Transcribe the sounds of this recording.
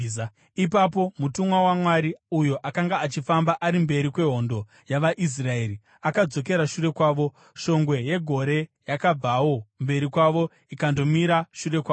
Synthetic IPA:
ipapo̞mutumwawamwaɾiujo̞ʔakaŋɡaːt͡ʃifambaʔaɾimbe̞ɾikwe̞ɦo̞ndo̞ | jaʋaʔis̬rae̞ːɾi | akad͡zo̞k̬e̞ɾaʃuɾe̞kwaːʋo̞ | ʃo̞ŋɡwe̞je̞ɡʱo̞ɾe̞jakab͡vawo̞mbe̞ɾikwaʋo̞ | ikando̞miɾaʃure̞kwaː

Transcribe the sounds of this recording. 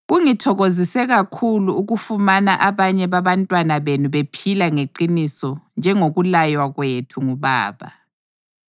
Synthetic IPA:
ɣuŋitʰɔɣozisɛɣakʰuluuɣufumanaʔaβaɲɛβaβantʼwanaβenuβepʰilaŋeǃinisɔnd͡ʒʱɛŋoɣulajwaɣwetʰuŋuβa̰ːβa̰

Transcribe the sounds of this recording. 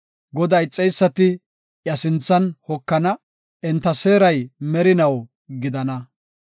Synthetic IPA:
ɡɔd̪ɐjt͡sʼːɛjsːɐt̪ɪ | ʔjɐsɪnt͡sːɐnhɔkːɐnɐ | ʔɛnt̪ːɐse̞ːɾɐjmɛɾɪnɐw | ɡɪd̪ɐnɐ

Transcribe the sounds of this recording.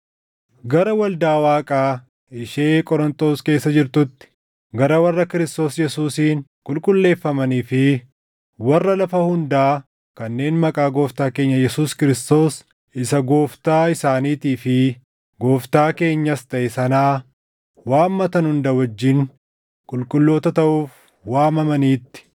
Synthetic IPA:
ɡɐɾɐwɐld̪aːwaːkʼaː | ɪʃe̞ːkʼɔɾɔnt̪ʼo̞ːske̞ːsːɐd͡ʒɪɾt̪ʊt̪ːɪ̥ | ɡɐɾɐwɐrːɐkɪɾɪst̪o̞ːsjɛsuːsiːnkʼʊlkʼʊlːe̞ːfːɐmɐniːfɪ | wɐrːɐlɐfɐhʊnd̪aː | kɐnːe̞ːnmɐkʼaːɡo̞ːft̪aːke̞ːɲːɐjɛsuːskɪɾɪst̪o̞ːs | ʔɪsɐɡoːft̪aːɪsaːniːt̪iːfɪ | ɡo̞ːft̪aːke̞ːɲːɐst̪ɐʔɛsɐnaː | waːmːɐt̪ɐnhʊnd̪ɐwɐd͡ʒːin | kʼʊlkʼʊlːo̞ːt̪ɐt̪ɐʔuːf | waːmɐmɐniːt̪ːɪ̥

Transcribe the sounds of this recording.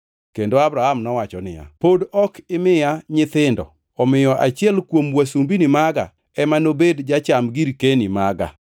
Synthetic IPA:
kendoabɾahamnɔwat͡ʃɔnɪ̰ja̰podɔkɪmɪjaɲɪt̪ɪndɔ̰ | ɔmɪjɔʔat͡ʃɪɛlkwomwasumbinɪmaɡa̰ | ɛmanobedd͡ʒat͡ʃamɡiɾkenimaɡa̰

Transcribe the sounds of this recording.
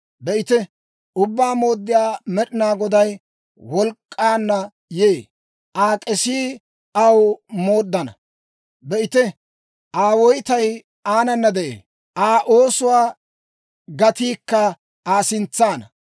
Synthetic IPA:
bɛʔɪt̪ɛ | ʊbːaːmo̞ːd̪ːɪjaːmɛɗɪnaːɡɔd̪ɐj | wɔlkʼːaːnːɐ | jeː | ʔaːkʼɛsiː | ɐwmo̞ːd̪ːɐnɐ | bɛʔɪt̪ɛ | ʔaːwɔjt̪ɐj | aːnɐnːɐd̪ɛʔḛːn | ʔaːʔo̞ːsʊwaː | ɡɐt̪iːkːɐ | aːsɪnt͡sːaːnɐ

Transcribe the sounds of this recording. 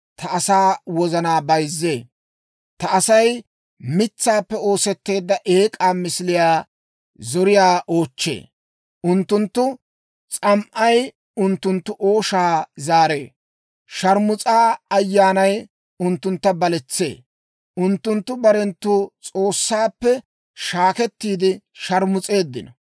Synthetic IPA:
t̪ʰɐɐsaːwɔzɐnaːbɐjzːeː | t̪ɐɐsɐj | mɪt͡sːaːpːɛo̞ːsɛt̪ːe̞ːd̪ːɐʔe̞ːkʼaːmɪsɪlɪjaː | zɔɾɪjaːʔo̞ːt͡ʃːḛː | ʔʊnt̪ːʊnt̪ːʊ | t͡sʼɐmʔɐj | ʊnt̪ːʊnt̪ːʊʔo̞ːʃaːzaːɾe̞̰ː | ʃɐɾmʊt͡sʼaːɐjːaːnɐj | ʊnt̪ːʊnt̪ːɐbɐlɛt͡sːe̞̰ː | ʔʊnt̪ːʊnt̪ːʊbɐɾɛnt̪ːʊt͡sʼo̞ːsːaːpːɛ | ʃaːkɛt̪ːiːd̪ɪʃɐɾmʊt͡sʼe̞ːd̪ːɪnɔ

